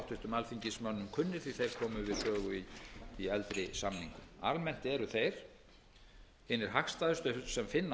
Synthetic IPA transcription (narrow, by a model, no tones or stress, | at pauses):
wht̪ʰʏht̪ʏmalfiɲcɪsmœnːʏmkʰʏnːɪɾ̥θiθejɾ̥kʰɔːmʏvɪðrœːɣʏiːɛlt̪ɾɪsamniŋkʏma̰lmɛn̥t̪ɛɾʏθejɾ̥ | ɛnɪɾ̥ɦaxst̪aðʏst̪œsɛmfɪnːa